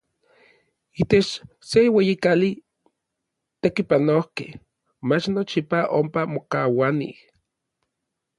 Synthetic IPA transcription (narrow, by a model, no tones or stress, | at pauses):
it̪et͡ʃ | sewejikali | t̪ekipanohkḛh | mat͡ʃnot͡ʃipaʔompamokawanḭh